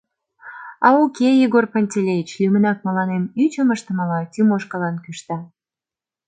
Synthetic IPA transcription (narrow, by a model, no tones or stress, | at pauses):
ɑukeiɣorponʲtʲelʲejʲit͡ɕlʲymənɑk̚məlɑnemyt͡ɕəməʃt̪ə̆məlɑt̪ʲymoʃkəlɑnkyʃt̪ɑ